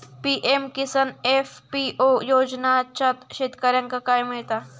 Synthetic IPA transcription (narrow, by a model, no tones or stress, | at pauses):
piːʔemkɪsɐneːfpiːʔoːjoːd͡ʒnat͡ʃʰɐt̪ʃet̪kɐɾjɐŋkakaːjmejt̪aː